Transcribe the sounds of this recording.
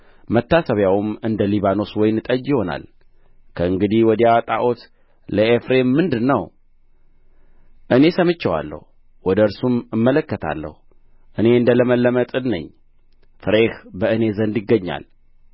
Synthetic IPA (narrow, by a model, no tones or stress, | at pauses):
mət̪ːasəβjawmɨnd̪əliβano̞swɔjnɨt̪ʼəd͡ʒɪho̞na̰l | kʰəɨŋɡɨd̪ihwɔd̪jat̪ʼa̰ʔot̪ | ləefɾe̞mːɨnd̪ɨnːəw | ʔɨne̞səmɨt͡ʃːəwa̰lːə̰hu | wɔd̪əɨɾsumɨmːələkːət̪ʰa̰lːə̰hu | ʔɨne̞ɨnd̪ələməlːəmət̪ʼɨnnə̰ɲː | fɨɾehbəɨne̞zənd̪ɪɡːəɲːa̰l